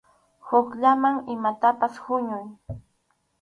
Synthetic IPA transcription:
hʊkʎamaŋɪmat̪apashʊɲʊj

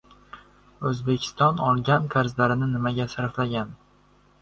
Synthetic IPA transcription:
ɵzbe̞kʲʰɪ̥st̪ɒnɒlˠɡʲank̪ʰaɾzlaɾɪnɪnɪmaɡʲasaɾflaɡʲan

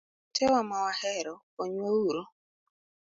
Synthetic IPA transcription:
tʰɛwamawahɛɾɔ | oɲouɾo

